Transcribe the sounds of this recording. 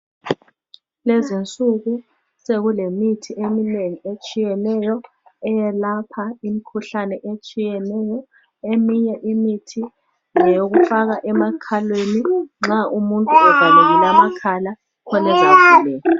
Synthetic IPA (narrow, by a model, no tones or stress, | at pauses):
lezint͡sʼuɣu | seɣulemitʰiemineŋiet͡ʃʼijɛnɛjɔ | ɛjɛlapʰaimikʰuɬanɛʔet͡ʃʼijɛnɛjɔ | emiɲɛʔimitʰi | ŋɛjoɣufaɣaʔɛmakʰalweniŋ͡ǁaʔumuntʼuɛvʱaleɣilamakʰala | kʰɔnɛzavilɛːjɔ